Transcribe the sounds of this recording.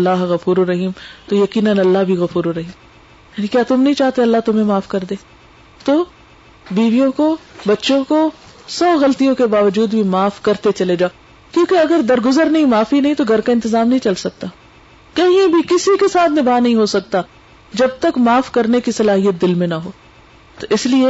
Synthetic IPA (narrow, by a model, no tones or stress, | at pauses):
lːaːɦɣɐfuːɾoɾɐɦiːmt̪ojɐkiːnənɐlːaɦbʱiɣɐfuːɾoɾɐɦiːm | jaːnĩkjaːt̪ʊmnɐɦĩt͡ʃaːɦt̪eɐlːat̪ʊmẽmaːfkɐɾd̪eː | t̪oː | biːʋijõkobɐtːʃõko | sɔːɣɐlt̪ijõkebaːʋəd͡ʒuːd̪bʱimaːfkɐɾt̪et͡ʃɐled͡ʒaːo | kjõːkeɐɡəɾd̪ɐɾɡʊzəɾnɐɦĩmaːfinɐɦĩt̪oɡʱɐɾkaɪnt̪ɪzaːmnɐɦĩt͡ʃɐlsɐk̚t̪a | kɐɦĩẽbʱikɪsikesaːt̪ʰnɪbaːnɐɦĩɦosɐk̚t̪a | d͡ʒɐb̚t̪ɐkmaːfkɐɾnekisɐlaːɦijət̪̚d̪ɪlmẽnɐɦoː | t̪oʔɪslie